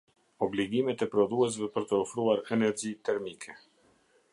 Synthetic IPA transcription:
ɔbliɡimɛt̪ɛpɾɔðuɛs̬vɛpəɾt̪əɔfɾuaɾɛnɛɾd͡ʑit̪ɛɾmikʰɛ

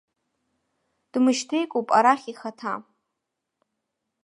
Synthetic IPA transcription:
d̥mɨʃtʰejkʷʼopʼaɾaχʲiχatʰa

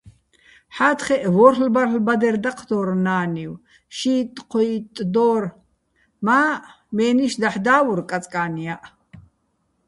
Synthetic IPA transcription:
ħaːt̪ʰχɛʔvɔɾlbarlbad̪ɛɾd̪aqʰd̪ɔɾnaːniw | ʃiːt̪ʼqʰɔit̪ʼd̪ɔːɾ | maː | mɛːniʃd̪aħd̪aːvuɾkʼat͡sʼkʼaːniaʔ

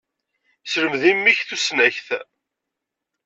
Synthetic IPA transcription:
sɾəmðimːiçθusnæçθ

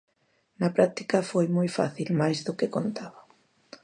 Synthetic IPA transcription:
nɐpɾak̚t̪i̥kɐfojmojfa̰θilmajzðʊkɪkont̪aβɐ

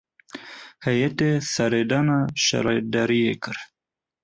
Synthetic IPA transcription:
hajat̪esaɾed̪anaʃa̰ɾɑjd̪aɾiekəɾ

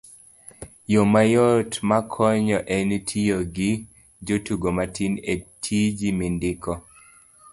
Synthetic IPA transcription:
jomajotmakʰɔɲɔʔɛntʰijoɡɪ | d͡ʒotuɡomatʰinetʰid͡ʒimindɪkɔ

